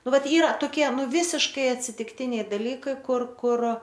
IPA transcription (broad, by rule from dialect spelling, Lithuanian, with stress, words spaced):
ˈnʊ ˈʋɐt ˈiːrɐ toːˈkʲiɛ ˈnʊ ˈʋʲiːsʲɪʃkɐɪ ɐtʲsʲɪtʲɪkˈtʲɪnʲɛɪ dɐˈlʲiːkɐɪ ˈkʊr ˈkʊr